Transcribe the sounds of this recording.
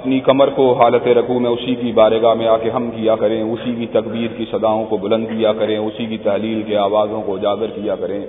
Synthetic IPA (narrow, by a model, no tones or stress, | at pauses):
ɐpnikɐməɾkoɦaːlət̪eɾɐkʰumẽʊsikibaːɾeɡamẽaːkeɦɐmkijakɐɾẽʊsikit̪ɐkbiːɾkisɐd̪aːõkobɐlə̃nd̪kijakɐɾẽʊsikit̪ɐɦliːlkeaːwaːzõkod͡ʒaːɡəɾkijakɐɾẽː